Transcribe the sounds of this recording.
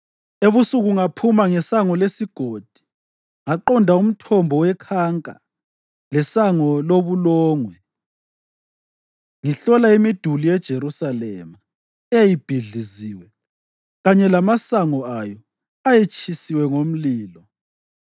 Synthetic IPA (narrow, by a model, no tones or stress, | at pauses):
eβusuɣuŋapʰumaŋɛsaŋɔlesiɡ̥ʱod̥ʱi̥ | ŋaǃɔndʱaum̩tʰɔmbʱɔwɛkʰaŋkʼa̰ | lɛsaŋɔloβulɔːŋwɛ | ŋiɬɔlaimid̥ʱulijɛd̥ʒ̥ʱeɾusalɛ̰ːma | ejib̥ʱiɮiziwɛ | ɣaɲɛlamasaŋɔajɔ | ajet͡ʃʰʼisiwɛŋom̩liːlɔ